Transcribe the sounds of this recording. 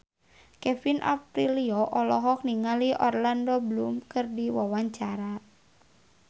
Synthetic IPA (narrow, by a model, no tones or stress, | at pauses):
kɛfinʔa̰pɾiliɔʔɔlɔɦɔk̚niŋaliʔɔrlandɔbəlumkɨrdiwawaɲt͡ʃaɾa